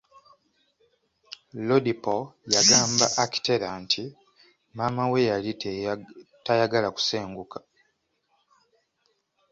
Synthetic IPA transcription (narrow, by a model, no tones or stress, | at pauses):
lodipojaɡaːmba̰ʔːki̥te̞ɾaːntʰi | mamawe̞jalit | tajaɡalaku̥se̞ːŋɡukʰḁ